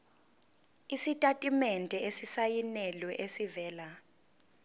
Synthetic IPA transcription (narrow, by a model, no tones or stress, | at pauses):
isitʼatʼimɛntʼɛesisajinɛlwɛʔesivɛːla